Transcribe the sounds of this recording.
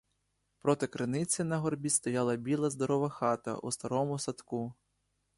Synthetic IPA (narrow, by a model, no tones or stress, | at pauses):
pɾɔt̪ɪkɾɪnɪt͡sʲinɐɦɔrbʲist̪ɔjɑlˠɐbʲilˠɐzd̪ɔɾɔʋɐxɑt̪ɐ̰ʔust̪ɐɾɔmʊsɐt̪ku